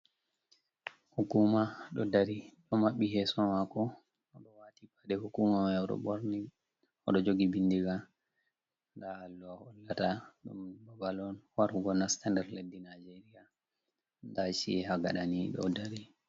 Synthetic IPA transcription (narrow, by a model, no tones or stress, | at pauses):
hukumaɗɔdaɾiɗɔmaɓːiɦɛsɔmakɔː | ɗɔwatibaɗɛhukumamaɔɗɔ̰boɾni | ɔ̰ɗɔd͡ʒoɡibindiɡa | ndahalːuahɔlːataɗumbabalɔnwaɾɡɔnastandɛɾledːinajd͡ʒeɾija | ndaʃḭɛɦaɡaɗaniɗɔ̰daɾi